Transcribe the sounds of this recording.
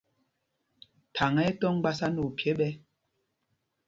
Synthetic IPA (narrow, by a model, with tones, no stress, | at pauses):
tʰa˨ŋɛ˦tɔ˦ŋ˦ɡ͡ba˦sa˦nu˨pje˦ɓɛ˦